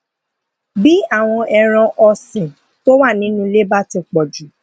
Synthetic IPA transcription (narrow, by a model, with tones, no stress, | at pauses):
bi˦a˦˨w̃ɔ̃˧ɛ˧ɾ̃ã˧ʔɔ˧sĩ˨ | to˦wa˦˨nĩ˨˦nũ˦le˦ba˦tĩ˧k͡pɔ˨d͡ʒu˨˦